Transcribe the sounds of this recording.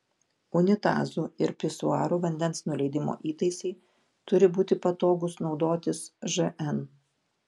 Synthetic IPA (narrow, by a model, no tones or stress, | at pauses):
ʊnʲɪt̪ɑ̰ːzuːɪɾpʲɪsʊɑːɾuːʋɐnʲd̪ʲɛnsnʊlʲɛɪd̪ʲɪmo̰ːʔiːt̪ɐɪsʲɛɪ | t̪ʊɾʲɪbuːt̪ʲɪpɐt̪oːɡʊsnɒʊd̪oːt̪ʲɪsʒɨʔɛn